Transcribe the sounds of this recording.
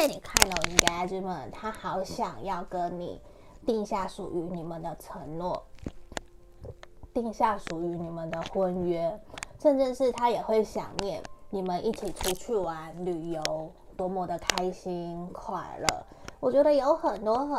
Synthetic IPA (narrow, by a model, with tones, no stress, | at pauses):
a˥˩ni˨˩kʰa˥˩nd̪ə˨˩˨i˧˥ŋka˧˥ʈ͡ʂ̩˥˩mə˨nt̪ʰa˥xɑ˧˥ʊɕjɑ˨˩ŋjɑ˥˩ʊkə˥nnḭ˨˩˦ | t̪i˥˧ŋɕja˥˩ʂu˨˩y˧˥ni˨˩mə˦nd̪ə˦ʈ͡ʂʰə˧˥ŋnwɔ˥˩ | t̪i˥˧ŋɕja˥˩ʂu˨˩y˧˥ni˨˩mə˦nd̪ə˧xwə˦˥nɥɛ˥ʂə˥˧nʈ͡ʂɻ̩˥˧ʂɻ̩˥˩t̪ʰa˥jɛ˨˩xwe˥˩ɪɕjɑ̰˨˩ŋmjɛ˥˩nni˨˩mə˦nʔi˥˩t͡ɕʰi˨˩ʈ͡ʂʰu˧˥t͡ɕʰy˥˩wa˧˥˦nly˨˩jo˧˦˥ʊ | t̪wɔ˥mwɔ˥˩d̪ə˨kʰa˥ɪɕi˥nkʰwa̰˨˩nlə̰˦wɔ˨˩t͡ɕɥɛ˧˥d̪ə˧jo˧˥ʊxə˨˩nt̪wɔ˥xə˨